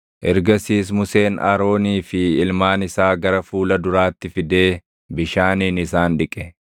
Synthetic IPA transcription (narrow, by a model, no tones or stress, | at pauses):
ʔɛɾɡɐsiːs̬mʊse̞ːnɐ̰ɾo̞ːniːfɪːlmaːnɪsaːɡɐɾɐfuːlɐd̪ʊɾaːt̪ːɪfɪd̪eː | bɪʃaːniːnɪsaːnᶑɪkʼɛ